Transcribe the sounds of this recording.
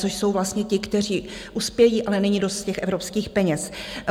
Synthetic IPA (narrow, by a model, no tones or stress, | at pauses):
t͡soʃso̞wvlast̪ɲɛcɪkt̪ɛr̝iːʔuspjɛjiːʔalɛnɛɲidost̪cɛxʔɛvɾo̞pskiːxpɛɲɛs